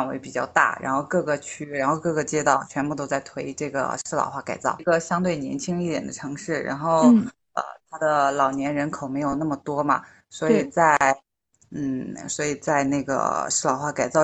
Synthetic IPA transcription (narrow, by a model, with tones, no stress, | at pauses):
nwḛ˧˥ɪpi˨˩t͡ɕjɑ˥˧ʊt̪a̰˥˩ɻa̰˧˥nxo˥˧ʊkɤ˥˩ɡə˥˩t͡ɕʰy˥ɻa˧˥nxo˥˧ʊkɤ˥˩ɡə˧˩t͡ɕjɛ˥t̪ɑ˥˩ʊt͡ɕʰɥɛ˧˥npu˥˩t̪o˥ʊt͡sa˥˩ɪt̪ʰwe˧˥ɪ˥ʈ͡ʂɤ˥˩ɡə̰˩ʂɻ̩˥˩lɑ̰˨˩ʊxwa˥˩ka˨˩ɪt͡sɑ̰˥˩ʊɡə˧ɕjɑ˥ŋt̪we˥˩ɪnjɛ˧˥nt͡ɕʰi˥ŋi˥˩t̪jɛ̰˨˩nd̪ə˦ʈ͡ʂʰɤ˧˥ŋʂɻ̩˥˩ɻa̰˧˥nxo˥˩ʊ | ə̰˧t̪ʰa˥d̪ə˨lɑ˨˩ʊnjɛ˧˥nɻə˧˥nkʰo˨˩ʊme˧˥ɪjo˨˩ʊna˥˩mə˩t̪wɔ˥mɐ̰˨˩ | swɔ˧˥i˨˩t͡sa˥˩ɪ | n̩˥˩swɔ˧˥i˨˩t͡sa˥˧ɪne˥˩ɡə̰˩ʂɻ̩˥˩lɑ˨˩ʊxwa˥˩ka˨˩ɪt͡sɑ˥˧ʊ